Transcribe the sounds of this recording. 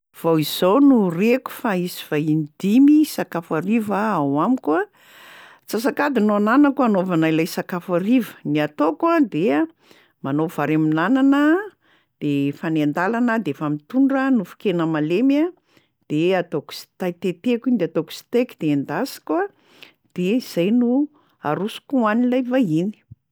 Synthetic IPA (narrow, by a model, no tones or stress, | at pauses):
v̥awizownureku̥faiziv̥aind̪imisakafaɾivaawamikua | t͡sasakad̪inoananəkuanovanajlajsakafaɾivəniat̪okad̪e | manov̥aɾeminananə | d̪̥efanend̪alanəd̪efamit̪uɳɖ͡ʐənufi̥kenəmalema | d̪̥eat̪oku̥si̥t̪ajt̪et̪ekind̪eat̪oku̥si̥t̪ekid̪end̪asi̥kua | d̪̥eiz̥ajnu | a̰ɾusu̥kuanilajvaini̥